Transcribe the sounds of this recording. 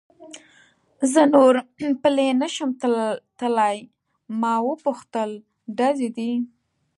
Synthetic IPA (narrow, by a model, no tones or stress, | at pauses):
zənoɾpəlenəʃəmt̪əlaj | mɑwəpʊxt̪əl | ɖazed̪i